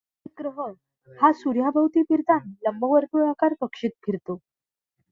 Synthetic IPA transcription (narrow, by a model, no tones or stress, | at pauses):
ɡɾəɦə | hasuɾjabʱawt̪iːpiɾt̪anləmbʱəʋəɾt̪uakaɾpəkʂiːt̪̚ɡʱiɾt̪o